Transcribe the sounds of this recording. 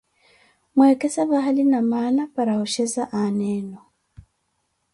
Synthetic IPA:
mwekɛsaβaɦalinamanapaɾahuʃɛzaʔanɛːnɔ

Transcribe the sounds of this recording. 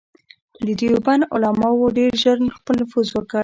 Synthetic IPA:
d̪əd̪ijubanʊ̰lɑmɑwoɖeɾʒəɾnxpəlnafuzwəkə

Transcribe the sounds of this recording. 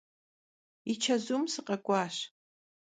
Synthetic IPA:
it͡ʃʰazumsɨqʼakʷʼaʃ

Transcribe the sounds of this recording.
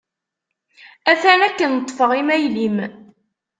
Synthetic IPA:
æθænækːənət̪ˤːfəʁimæjlim

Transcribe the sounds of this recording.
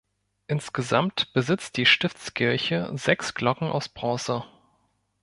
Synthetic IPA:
ʔɪnsɡ̥əzamtb̥əzɪt͡st̚d̥iːʃtɪft͡skʰɪɐçə̰zɛksɡ̥lɔkŋ̩ʔa̰ʊsb̥ʁɔːsə

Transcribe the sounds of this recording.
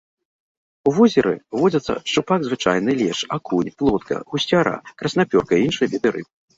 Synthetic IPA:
uvɔzʲɛɾɨ̰vɔd͡zʲɐt̪sːɐ̰ʂt͡ʂupaɡzvɨt͡ʂajnɨlʲɛʂakʰunʲplˠɔt̪̚kɐ̰ɣusʲt͡sʲaɾa̰kɾɐsnapʲɔrkɐiinʂɨjɐvʲid̪ɨɾɨ̰p

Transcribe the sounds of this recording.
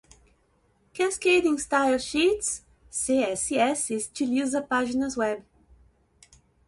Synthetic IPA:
kʰæskeɪɾɪ̃ŋstaɪlˠʃitsː | eɛsiɛsɪztʰɨluzəpad͡ʒɪnəzwɛb

